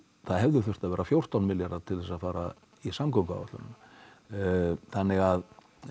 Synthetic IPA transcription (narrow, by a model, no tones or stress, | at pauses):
θaðɦɛvðʏθʏr̥t̪aðvɛːɾafjowr̥t̪awnmɪljaɾat̪ʰɪlθɛs̬aðfaːɾa | isamkowka̰a̰t̪la̰n | θanːɪɣað